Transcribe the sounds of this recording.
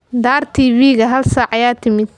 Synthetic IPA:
d̪aːrt̪ʰiːβiːɣɐɦɐlsaːʕɐjaːt̪ʰɪmɪd̪

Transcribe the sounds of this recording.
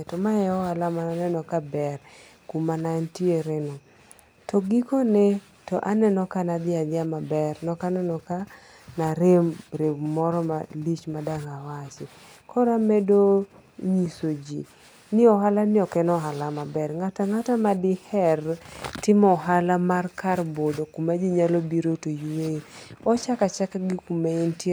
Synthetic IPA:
ɛtɔmaɛɔhalamananɛnɔkabɛr | kumanantieɾɛnɔ | tɔɡikɔne | tɔʔanɛnɔkanad̪ɪadɪamabɛrnɔkanɛnɔka | naɾemɾebmɔɾɔma̰lit͡ʃmadaŋawat͡ʃɪ | kʰɔɾamɛdo | ɲisod͡ʒḭ | nɪɔɦalanɪɔkɛnɔɦalamabɛrŋataŋatamadɪhɛrtɪmɔɦalamarkarbodokumad͡ʒiɲalobiɾotojuweɔt͡ʃakat͡ʃakaɡɪkumeɪnt

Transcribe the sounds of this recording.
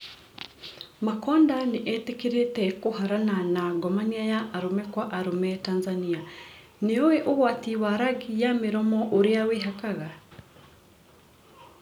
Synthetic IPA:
makɔːndaneʔɛtekiɾetɛkohaɾananaɡɔmaniajaʔːɾomɛkwaʔaɾomɛtaːnzania | neowɛʔoɣwatiwaɾaɡijameɾɔmɔʔoɾeaweɦakaɣa

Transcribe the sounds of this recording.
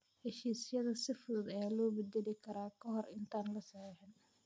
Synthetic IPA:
hɛʃiːsɪjɐðɐsɪfʊd̪ʊd̪ɐjaːlɔːbɛd̪ɛlɪkʰɐɾaːkʰɐɦɔrɪnt̪ʰaːnlɐsɐʕɛħɛn

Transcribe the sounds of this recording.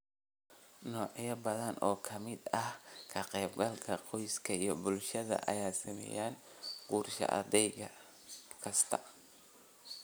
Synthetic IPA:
nɔːʕjɐbɐðɐnʔɔːkʰɐmɪd̪ɐhkʰɐqɛːbɡɐlkʰɐqɔjskʰɐijɞbʊlʃɐðɐ̰ʔɐ̰jaːsɐmɛ̰jaːnquːrʃɐ̰ʔɐ̰d̪ɛjɣɐ | kʰɐst̪ʰɐ

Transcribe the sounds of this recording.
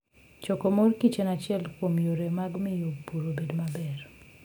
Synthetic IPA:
t͡ʃɔkomorkit͡ʃenat͡ʃɪɛlkwomjoɾemaɡmɪjopuɾobedomabɛr

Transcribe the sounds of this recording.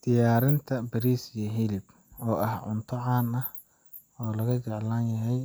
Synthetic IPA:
d̪̥ɪjaːɾɪnt̪ʰɐbɐɾiːsɪjɐɦɪlɪb | ɔːʔɐhʕʊ̰nt̪ʰɔʕɑːnɐh | ɔːlɐɣɐt͡ʃɛʕlaːnjɐɦɛj

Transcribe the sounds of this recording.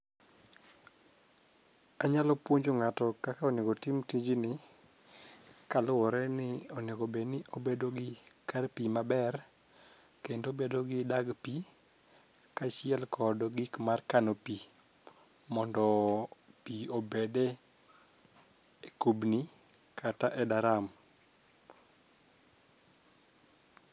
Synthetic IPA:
aɲalɔpwoɲd͡ʒoŋatɔkakaɔneɡotɪmtiɲd͡ʒinɪ | kalʊwɔɾɛnɪɔnekobenɪʔobedoɡɪkarpimabɛr | kendobedoɡɪdaɡpi | kaʃɪɛlkʰɔdɔɡɪkmarkanopi | mɔndɔ | piobede | kubni | kʰataʔɛdaɾam

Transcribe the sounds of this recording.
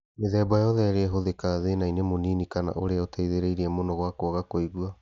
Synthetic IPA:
meðɛːbajɔðɛɾeɛɦoðekaðenainemoninikana̰ʔoɾeaotaiðeɾeiɾiɛmonɔɣwakoɔɣakoiɣua

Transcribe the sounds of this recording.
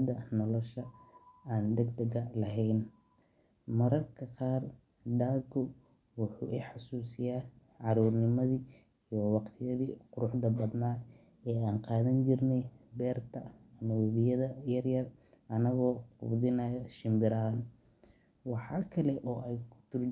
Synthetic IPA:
d̪ɐnɔlɔʃɐaːnd̪ɛɡd̪ɛɣɐlɐɦɛjn | mɐɾɐrkʰɐqɑːr | ɖaːɡʊ | wʊħṵːʔɪħɑsuːsɪjaː | ʕɑɾuːrnɪmɐðiː | ijɔwɑqt̪ʰɪjɐðiːqʊɾʊħd̪ɐbɐd̪naː | ɛːaːnqɑːðɐnt͡ʃɪrnɛbɛːrt̪ʰɐmɐwɛβɪjɐðɐjɐrjɐr | ʔɐnɐɣɔːqṵbðɪnɐjɐʃɪmbɪɾɐɦaːn | wɑħɑːkʰɐlɛʔɔːʔɛjkʰʊ̥t̪ʰʊr

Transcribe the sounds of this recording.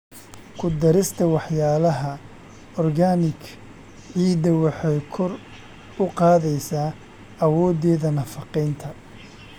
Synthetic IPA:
kʰʊd̪ɐɾɪst̪ʰɐwɑħjaːlɐɦɐ | ɔrɡanɪk | ʕiːd̪ɐwɑħɑjkʰɔr | ʊqɑːðɛjsaː | ɐwɔːd̪ɛːðɐnɐfɑqɛjnt̪ʰɐ

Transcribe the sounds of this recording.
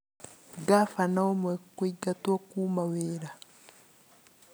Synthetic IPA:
ɡafanaomwekwiɡatwakuːmaweɾa

